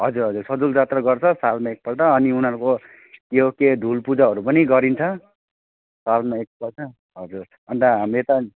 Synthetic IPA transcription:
ɦʌd͡zuɾɦʌd͡zursʌd͡zuld͡zat̪rʌɡʌrt͡sʰʌsalmaek̚pʌlʈʌːniunʌɾuko | keɦoked̪ʱulpud͡zaɦʌɾupʌniɡʌɾint͡sʰʌ | salmaek̚pʌlʈʰʌ | ɦʌd͡zuɾ | ʌnt̪aɦamet̪ʌ

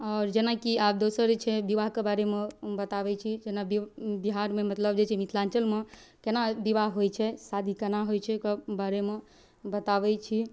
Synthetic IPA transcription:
ɔːɾd͡ʒenakiapd̪osəɾt͡ʃʰɛbiʋaɦkebaɾemebət̪aʋɛt͡ʃʰid͡ʒenabibiɦaɾmemət̪ləb̚d͡ʒet͡ʃʰɛmit̪ʰlant͡ʃəlme | kenabiʋaɦɦojt͡ʃʰɛsad̪ʱikenaɦojt͡ʃʰɛkebaɾeme | bət̪aʋɛt͡ʃʰi

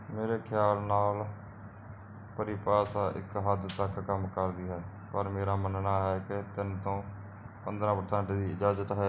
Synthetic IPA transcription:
meːɾeːkʰjaːlnaːl | pəɾiːpaːsaːʔɪ̰kɦəd̪t̪əkːəmkəɾd̪iːɦɛː | pəɾmeːɾaːmənnaːɦɛːkɪt̪ɪnt̪õː | pənd̪ɾãːpəɾsɛ̃ːɳʈd̪iːɪd͡ʒaːzət̪ɦ

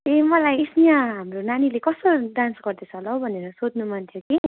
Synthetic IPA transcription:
emʌlajsijãɦamronanilekʌsodansɡʌrd̪et͡sʰʌlʌwbʱʌneɾʌsod̪numant̪ʰjoki

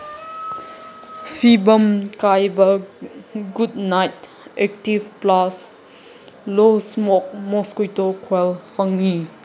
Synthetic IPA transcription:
fʰibɐmkajbɐ | ɡudnajt̚ | ɛk̚tivplas | losmɔk̚mɔskujtokʰwɛlfɐŋːi

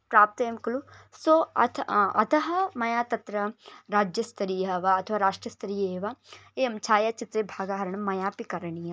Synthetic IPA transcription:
pɾaːp̚t̪ɐemkɐlusoɐt̪ʰɐ̰t̪ɐɦɐmɐjaːt̪ɐt̪ɾɐɾaːd͡ʒjɐst̪ɐɾijɐɦɐʋaɐt̪ʰɐʋaːɾaːʂʈɾɐst̪ɐɾijeːʋaeːɐmt͡ʃʰaːjɐt͡ʃɪt̪ɾeːbʱaːɡaɦɐɾɐɳ̃ɐmɐjaːpikɐɾɳijɐ

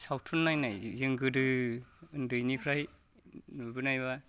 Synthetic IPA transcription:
sawtʰulnːajnajzɯŋɡɯdɯɯndɯjnikʰɾaj | nubɯnajβa

